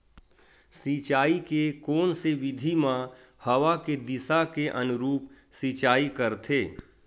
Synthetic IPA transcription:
sit͡ʃaːikekɔːnseʋɪd̪ʱimã | hɐwaked̪ɪsakeʔɐnʊɾuːp | siːt͡ʃaːikəɾt̪ʰeː

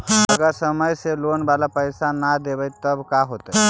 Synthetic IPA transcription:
əɡasəməjselonbalapəjsanad̪eʋəjt̪əbkaɦot̪ə

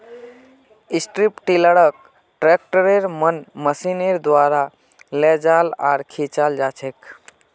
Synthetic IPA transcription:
isʈɾipʈiləɽək̚ | ʈɾek̚ʈəɾeɾmənməsineɾd̪waɾa | lɛd͡ʒala̰ɾkʰit͡ʃald͡ʒat͡ʃʰek

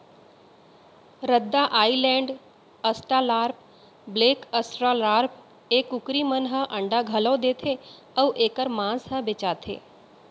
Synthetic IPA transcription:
ɾəd̪ːaːʔaːilɛ̃ːɳɖ | əsʈaːlaːɾp̚ | bleːkəsʈɾalaːɾp̚ | eːkʊkɾimənɦə̃ʔə̃ɳɖaɡʱələːd̪eːt̪ʰeː | əuʔeːkəɾmãːsɦə̃bɪt͡ʃaːt̪ʰḛː

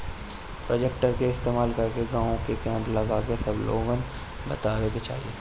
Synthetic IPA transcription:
pɾoːd͡ʒekʈəɾkeɪst̪eːmaːlkɐɾkeɡãːõkekɛ̃ːmplɐɡaːkesɐblo̰ːɡən | bɐ̰t̪aːweket͡ʃa̰ːɦḭeː

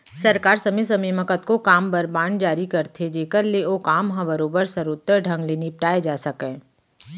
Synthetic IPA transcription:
sɐɾkaːɾsɐmesɐmiːməkət̪kokaːmbəɾbãːɳɖd͡ʒaːɾikɐɾt̪ʰed͡ʒeːkəɾleoːkaːmɦɐ̃bɐɾoːbəɾsɐɾʊt̪ːəɾɖʱɐ̃ŋɡleːnip̚ʈaːed͡ʒaːsɐkɛ̃ː

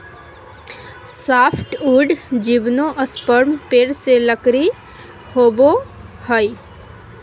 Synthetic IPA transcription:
saːpʰʈuːɖd͡ʒiʋnoʔəspəɾmpeːɾseləkɾi | hoːbohəi

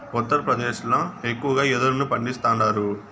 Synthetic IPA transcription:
ut̪ːɐɾɐpɾɐd̪eːʃlɐekːuʋɐɡaːjed̪uɾɐnupɐɳɖist̪aːnːaːɾu

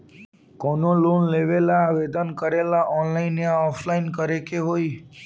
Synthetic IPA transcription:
kɔnolonleʋelaːʋed̪ənkəɾelaʔɔnlainãɔfʰlainkəɾekeɦoi

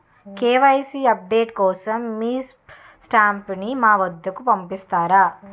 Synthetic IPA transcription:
keːʋɐjsiɐp̚ɖeːʈkɔːsɐmːiːs | sʈaːmpnimaːʋɐd̪ːɐkupɐmpist̪aːɾaː

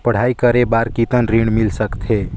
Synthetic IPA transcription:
pəɽ̤aikəɾebaɾkit̪ənɾiɖmilsəkt̪ʰe

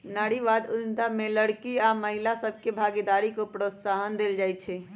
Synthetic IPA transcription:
naɽiʋad̪unt̪ameləɽkiaməɦilasəbʱkebʱaːɡid̪aɾikopɾət̪saɦənd̪eld͡ʒajt̪t͡ʃʰɛ

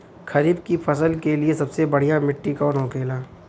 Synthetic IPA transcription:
kʰɐɾiːbkipʰɐsəlkeliesɐbsebɐɽ̤ijamɪʈːikɔːnokeːlaː

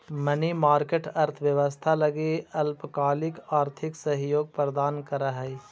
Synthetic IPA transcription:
mɐnimaːɾkeːʈɐɾt̪ʰʋjɐʋəst̪ʰalɐɡeɐlpkaːlɪkaːɾt̪ʰɪksɐɦjoːɡ̚pɾəd̪aːnkɐɾəɦɐ

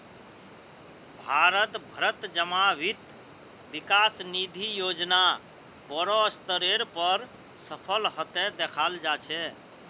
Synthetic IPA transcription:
bʱaɾət̪bʱəɾət̪d͡ʒəmaʋit̪ | bikasnid̪ʱijod͡ʒna | bəɽɔəst̪əɾeɾpəɾ | səpʰəlɦət̪ɛd̪ekʰald͡ʒat͡ʃʰɛ

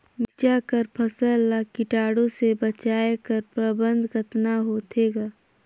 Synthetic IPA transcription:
mɪt͡ʃakəɾpʰəsəlːakɪʈaːɽõsebət͡ʃaːekəɾpɾəbə̃nd̪ʱkət̪naɦoːt̪ʰeɡaː

